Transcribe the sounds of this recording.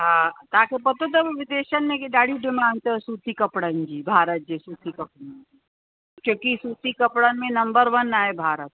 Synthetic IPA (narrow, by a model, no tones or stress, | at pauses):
ɦãːt̪aːkepɐt̪ot̪ɐbʋɪd̪eːʃənmẽkiɖaːɽiɖɪmãːnɖt̪əsuːt̪ikɐpɽənd͡ʒiːbʱaːɾət̪̚d͡ʒesuːt̪ikɐpɽənd͡ʒi | kjõːkisuːt̪ikɐpɽənmẽnɐmbəɾʋənːaːebʱaːɾət̪̚